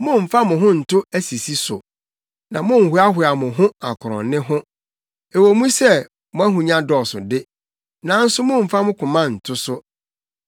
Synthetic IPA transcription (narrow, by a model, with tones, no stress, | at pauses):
mʊ̃˦m̩˨fa˦mʊ̃˨ɦʊ̃˦n̩˨tʰʊ˦æ˦si˨si˦sʊ̰˨ | nã˨mʊ̃˦m̩˨hʊ˦a˦hʊ˨a˨mʊ̃˨ɦʊ̃˦a˨kʰʊ˨ɾɔ̰̃˨nnɪ̃˦ɦʊ̃˦ | e˨wo˨mũ˦sɛ˦ | mʊ̃˦æ˦ɦũ˨ɲã˦dɔ˨sʊ̰˨dɪ˦ | nã˨˦n̩˦sʊ˦mʊ̃˦m̩˨fa˦mʊ̃˦kʰʊ̃˨mã˦˨n̩˨tʰʊ˦sʊ˦